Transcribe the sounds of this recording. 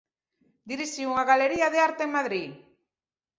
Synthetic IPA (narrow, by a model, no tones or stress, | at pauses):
d̪iɾiʃiuŋaɣaleɾiaðeaɾt̪eeŋmaðɾi